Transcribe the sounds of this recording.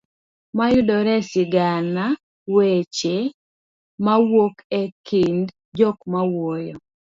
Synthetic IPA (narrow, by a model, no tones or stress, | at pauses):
majʊdɔɾɛsɪɡana | wet͡ʃe | mawokɛkind | d͡ʒɔkmawojɔ